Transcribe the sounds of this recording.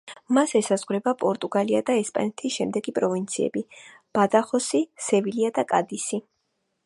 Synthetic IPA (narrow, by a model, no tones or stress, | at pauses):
masɛsazʁɾɛbapʼɔɾt̪ʼuɡaliad̪aɛspʼa̰nɛt̪ʰisʃɛmd̪ɛɡipʼɾɔvint̪sʰiɛ̰bi | b̥ad̪aχɔsisɛviliad̪akʼad̪isi